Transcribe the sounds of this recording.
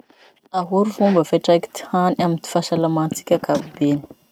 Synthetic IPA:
aɦuɾufumbəfaʈ͡ʂaki̥t̪i̥hanamint̪i̥faʃalamant͡si̥kʲakabibeni̥

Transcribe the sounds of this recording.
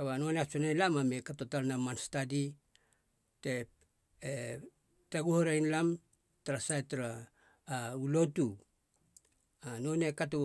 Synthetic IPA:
kaβano̞neat͡ʃonelamamekatotalnamanstadi | te | e | taɡuhoɾajnlam | taɾasajtaɾaː | ulo̞tu | anonekato

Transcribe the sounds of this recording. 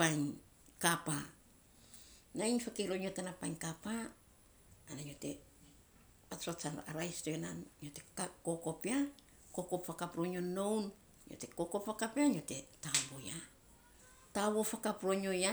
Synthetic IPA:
ajɲ | kapa | nainfakeɾo̞ɲio̞tenapajnkapaː | naɲjo̞te̞ | aat͡ʃana̰ɾajstoenanɲjo̞te̞kako̞ko̞pia | ko̞ko̞pfakapɾo̞ɲo̞nːo̞wn | ɲo̰te̞ko̞kopfakapiaɲio̞te̞tawoja | tawo̞fakapɾo̞ɲo̞ja

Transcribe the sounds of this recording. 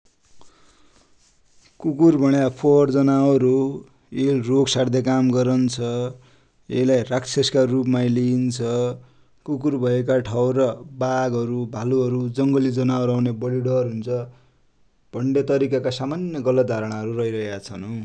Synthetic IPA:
kukurbʱʌɽ̃japʰord͡zʌnaʌɾu | elroksaɽd̪ekamɡʌɾʌnt͡sʰʌ | ḛlajraksʰeskarupmajliint͡sʰʌ | kukurbʱʌek̬aʈʰawɾʌbaɡɦʌɾubʱaluɦʌɾud͡zʌŋɡʌlid͡zʌnaʌɾawnebʌliɽʌrɦunt͡sʰʌ | b̥ʱʌɳɖet̪ʌɾikakasamanjʌɡʌlʌt̪̚d̪ʱaɾʌɽ̃aɦʌɾurʌɦiɾʌɦekat͡sʰʌnu

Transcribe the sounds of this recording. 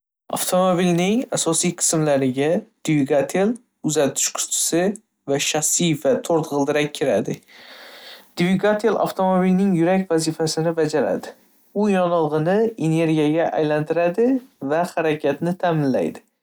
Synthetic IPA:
ɑ̰ft̪ʰomobilnɪŋasɒsijqʰɨ̥smlaɾɪɡʲad̪̥viɡat̪ʰel | ʊzat̪ʰɪ̥ʃkʰʊ̥t̪ʰɪ̥sɪ | vaʃaχsijfat̪ʰoɾt̪ʁɨlˠd̪ɪɾakʲʰːɪɾad̪ɪ | d̪̥viɡat̪ʰelˠa̰ft̪ʰomobilnɪŋjʊɾakʲvazifasɪnɪbad͡ʒaɾa̰d̪ɪ | ʊjɒnɨlˠʁɨnɪene̞ɾɡʲijaɡʲaʔa̰jlant̪ʰɪɾad̪ɪvahaɾakʰʲat̪nɪt̪ʰamɪnla̰jd̪ɪ

